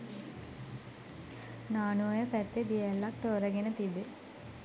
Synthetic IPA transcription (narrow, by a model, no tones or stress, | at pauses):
naːnuəjəpæt̪ːed̪ijelːakt̪oːɾəɡenət̪ibːe